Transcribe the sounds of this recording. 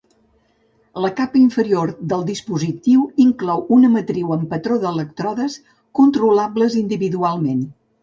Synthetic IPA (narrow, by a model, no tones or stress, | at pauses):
ləkapəiɱfəɾioɾd̪əlˠd̪ispuzit̪iwiŋklɔwunəmət̪ɾiwəmpət̪ɾoðələk̚t̪ɾɔðəs | kunt̪ɾulabləzind̪iβiðualˠmen